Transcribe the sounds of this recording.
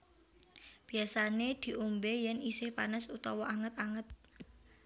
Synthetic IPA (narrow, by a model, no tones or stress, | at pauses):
b̥iasaned̪̥i̤ʔumbejɛnisɪhpanəsut̪ɔwɔaŋət̪aŋət̪̚